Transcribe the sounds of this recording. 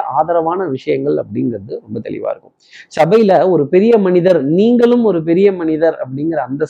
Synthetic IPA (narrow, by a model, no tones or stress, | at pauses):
ʔaːðɐɾɐʋaːnɐʋɪʂɐjɐŋɡɐɭɐ̰pːɐɽɪŋɡɾɐðɯɾɔmbɐt̪ɛ̰ɭɪ̰ʋa̰ːɪɾɯkːɯ̥msɐbɐjɪlɐɔɾɯpɛɾɪjɐmɐnɪðɐɾniːŋɡɐɭɯmɔɾɯp̬ɛɾɪjɐmɐnɪðɐɾɐ̰p̬ːɐɽɪŋɡɐɾɐːnd̪ɐ